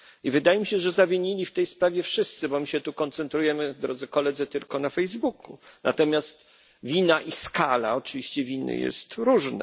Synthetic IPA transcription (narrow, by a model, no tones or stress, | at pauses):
ivɘd̪ajɛmʲiɕɛʐɛzavʲeɲilʲift̪ɛjspɾavʲjɛfʂɘst̪sɘbɔmɘɕɛt̪ukɔnt̪sɛnt̪ɾujɛmɘd̪ɾɔd̪zɘkɔlɛd̪zɘt̪ɘlkɔnafɛjzbukuna̰t̪ɔmʲjast̪ | vʲinaʔiskala̰ɔt͡ʂɘvʲiɕt͡ɕɛvʲinɘ̰jɛ̰st̪ɾuʐna̰